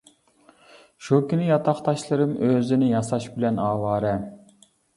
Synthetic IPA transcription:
ʃukʲynɪjɑt̪ʰɑχt̪ʰɑʃlˠɨɾɨmʔøzɪnɪjɑsɑʃbɪlɛnɑːwɑːɾɛ

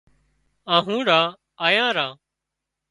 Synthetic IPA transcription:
ãːɦũːɾãː | aːjãːɾãː

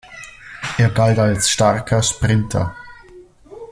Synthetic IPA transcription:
ʔeːɐɡaltalsʃtaʁkʰɐʃpʁ̥ɪntʰɐ̰

